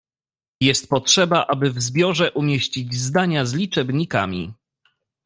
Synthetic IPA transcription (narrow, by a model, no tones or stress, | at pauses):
jɛst̪̚pɔtʂɛbaʔabɘvzbʲjɔʐɛʔumʲjeɕt͡ɕid͡ʑzd̪aɲazlʲit͡ʂɛbɲika̰mʲḭ